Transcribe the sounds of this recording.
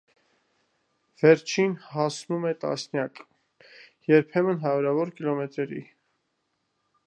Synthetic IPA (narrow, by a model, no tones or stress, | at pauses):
v̥ɛɾt͡ʃʰinhɑsnumɛt̪ɑ̰snjɑk | jɛɾpʰɛmənɦɑjuɾɑvɔɾkilɔmɛt̪ɾɛɾḭ